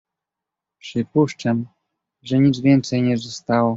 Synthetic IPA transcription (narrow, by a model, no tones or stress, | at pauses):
pʂɘpuʂt͡ʂam | ʐɛɲid̪zvʲjɛnt̪sɛjɲɛzɔst̪awɔ